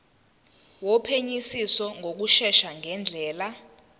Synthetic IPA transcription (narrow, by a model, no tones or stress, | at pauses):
wɔpʰeɲisisɔŋʱok̬uʃɛʃaŋʱɛnd͡ɮʱɛːla